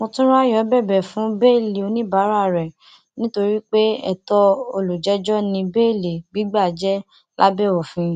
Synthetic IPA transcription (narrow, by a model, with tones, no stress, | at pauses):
mɔ̃˧tũ˦ɾa˦jɔ˨˦bɛ˦˨bɛ˨fũ˨˦be˦˨le˨o˧nĩ˦ba˨˦ɾa˦˨ɾɛ˨ | nĩ˦to˧ɾi˦k͡pe˦ɛ̰˦˨tɔ˧o˧lu˨d͡ʒɛ˨˦d͡ʒɔ˦nĩ˧be˦˨le˨ɡ͡bi˨˦ɡ͡ba˦˨d͡ʒɛ˦ | la˦bɛ˦˨wɔ˨fĩ˧˦˨